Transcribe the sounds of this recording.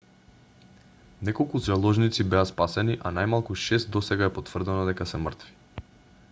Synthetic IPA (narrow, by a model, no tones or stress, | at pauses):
nɛkɔlˠkuzalˠɔʒnit̪sibɛaspasɛniʔanajmalˠkuʃɛst̪̚d̪ɔsɛɡaɛpot̪vr̩d̪ɛnɔd̪ɛkasɛmərt̪vi̥